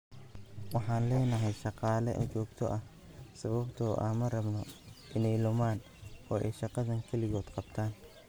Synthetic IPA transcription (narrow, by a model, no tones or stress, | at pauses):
wɑħɑːnlɛːnɐɦɛjʃɑqɑːlɛʔɐ̰t͡ʃɔːɡt̪ʰɔʔɐh | sɐβɐbt̪ʰɔːʔɐ̰mɐrɐbnɔʔɪnɛjlʊmaːn | ɔːʔɛjʃɑqɑðɐŋkʰɛlɪɣɔːd̪qɑbt̪ʰaːn